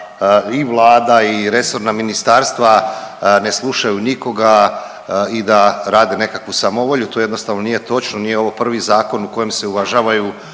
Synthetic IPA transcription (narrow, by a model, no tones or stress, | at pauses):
iʋlˠaːd̪aiɾe̞so̞ɾnaminist̪aːɾst̪ʋane̞slˠuʃajuniko̞ɡa | id̪aɾaːd̪ene̞kakʋusamo̞ʋo̞ʎut̪oːjed̪no̞st̪aʋnonije̞t̪o̞t͡ʃnonijeo̞ʋopr̩ʋizaːko̞nuko̞je̞mse̞uʋaʒaːʋaju